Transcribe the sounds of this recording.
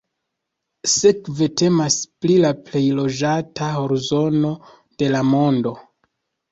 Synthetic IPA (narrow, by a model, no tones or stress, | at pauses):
sekve̞te̞masplilaple̞jlo̞d͡ʒataho̞ɾzo̞no̞ | d̥e̞lamo̞ndo̞